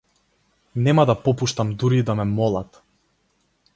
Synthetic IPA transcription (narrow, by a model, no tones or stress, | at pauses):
nɛmad̪apɔpuʃt̪amd̪uɾid̪amɛmɔlˠat̪